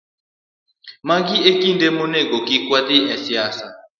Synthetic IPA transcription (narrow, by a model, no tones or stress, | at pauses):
maɡiekindɛmɔnɛɡɔkikwat̪iʔɛ̃siaːsa